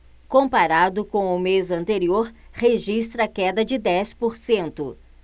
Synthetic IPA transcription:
kõpaɾad̪ʊkõw̃ʊmezɐ̃nt̪eɾioɾheʒist̪ɾɐkɛd̪ɐd͡ʒɪd̪ɛspoɾsẽnt̪ʊ̰

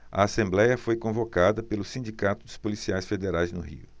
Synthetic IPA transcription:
ɐ̰asẽmblɛjɐfojkõvokad̪ɐpelʊsĩnd͡ʒikat̪ʊd̪ʊspolisiajsfed̪eɾajznʊhḭʊ̰

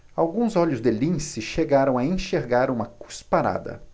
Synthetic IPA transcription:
awɡũzɔʎʊzd̪ɪlĩsɪʃeɡaɾɐ̃w̃aẽʃeɾɡaɾũmɐku̥spaɾa̰d̪ɐ̰

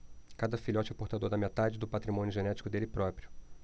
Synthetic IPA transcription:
kad̪ɐfilɔt͡ʃɛpoɾt̪ad̪oɾd̪ɐmet̪ad͡ʒɪd̪ʊpat̪ɾimõnʲʊʒenɛt͡ʃi̥kʊd̪elɪpɾɔpɾjʊ

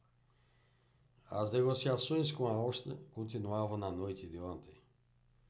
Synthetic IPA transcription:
a̰zneɣosiasõj̃s̬kõaowʃt̪ɾḛkõnt̪inuavɐ̃w̃nɐnojt̪ɪd̪ɪõnt̪ẽj̃

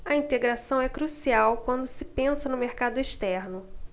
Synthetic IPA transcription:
ɐĩt̪eɡɾasɐ̃w̃ɛkɾusiawkwɐ̃nd̪ʊsɪpẽsɐnʊmeɾkad̪ʊeʃt̪ɛɾnʊ

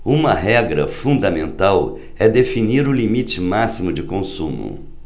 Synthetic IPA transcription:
ũmɐɦɛɡɾɐ̰fũnd̪ɐmẽnt̪aw | ɛd̪efiniɾʊlimit͡ʃɪmasimʊd͡ʒɪkõsṵ̃mʊ̰

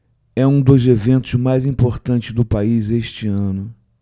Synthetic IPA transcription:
ɛũd̪ʊzevẽnt̪ʊzmajzĩpoɾt̪ɐ̃nt͡ʃɪzd̪ʊpaizeʃt͡ʃiɐ̃nʊ

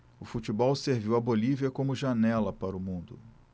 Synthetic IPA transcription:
ʊfut͡ʃibɔwseɾviwɐboliviɐkõmʊʒanɛlɐpaɾʊmũnd̪ʊ

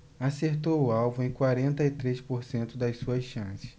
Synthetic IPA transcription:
aseɾt̪owʊawvʊẽj̃kwaɾẽnt̪ɐɪt̪ɾespoɾsẽnt̪ʊd̪ɐjsuɐsʃɐ̃sɪ̥

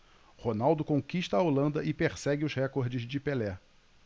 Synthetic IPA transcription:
honawd̪ʊkõkiʃt̪ɐːolɐ̃nd̪ɐʔɪpeɾsɛɡɪʊzhɛkoɾd͡ʒɪzd͡ʒɪpelɛ

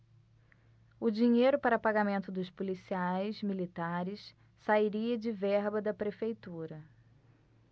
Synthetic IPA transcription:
ʊd͡ʒiɲejɾʊpaɾɐpaɡamẽnt̪ʊd̪ʊspolisiajzmilit̪aɾɪs | saiɾiɐd͡ʒɪvɛɾbɐd̪ɐpɾefejt̪uɾɐ

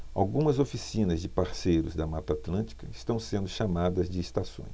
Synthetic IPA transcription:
a̰wɡũmɐzofisĩnɐzd͡ʒɪpaɾsejɾʊzd̪ɐmat̪at̪lɐ̃t͡ʃi̥kɐɪst̪ɐ̃w̃sẽnd̪ʊʃamad̪ɐzd͡ʒɪːst̪asõ̰j̃s

